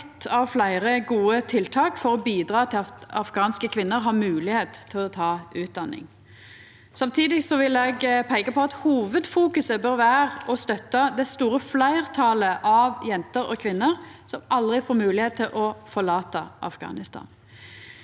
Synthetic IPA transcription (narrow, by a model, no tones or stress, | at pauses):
t̪ʰːɑʋflæɪʁəɡuːət̪ʰɪlt̪ʰɑːkfɔʁɔbiːd̪ʁɑːt̪ʰɪlɑfɡɑːnskəkʰʋɪnːəɾɦɑːmʉːlɪheːt̪ʰːɪlɔt̪ʰɑːʉːt̪̚d̪ɑnːɪ̰ŋ | sɑmt̪ʰiːd̪ɪsɔʋɪlɛɡpʰæɪkəpʰɔɑt̪huːʋəd̪fuːkʉsəbøɾʋæːʁɔst̪œt̪ːɑd̪ɛst̪uːʁəflæɪʁt̪ʰɑləʔɑʋjɛnt̪əɾɔ̰kʰʋɪnːəʁsɔmɑld̪ʁɪfoːɾmʉːlɪheːt̪̚ʰːɪlʔɔfɔʁɭɑːt̪əʔɑ̰fɡ̥ɑ̰ːnɪst̪ʰɑ̰ːn